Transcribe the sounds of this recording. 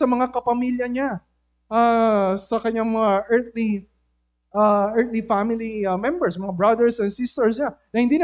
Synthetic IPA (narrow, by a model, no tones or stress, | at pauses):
ɐmɐŋakɐpɐmiljɐɲa | ʔasɐkɐɲaŋmɐŋaʔɛɹt̪̚li | ʔaʔɛɹt̪lifamɪlimɛmbɛɹsmɐŋabɹɐd̪ɛɹsɛnsist̪ɛɹsɲanɐhɪnd̪iːn